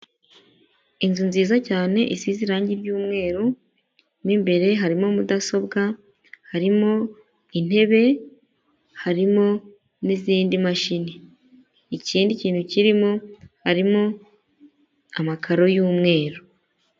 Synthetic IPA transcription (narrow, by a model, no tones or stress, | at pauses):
inzunziːzacaːne̞ʔisiziɾaːɲɟiɾɟuːmŋe̞ːɾo | nimbe̞ɾe̞ɦaɾimo̞mudaso̞bɡa | haɾimo̞ | in̥e̞βe̞ | haɾimo̞ | niziːndimaʃini | iciːndiciːn̥huciɾimohaɾimo̞ | amakʰaɾo̞juːmŋe̞ːɾo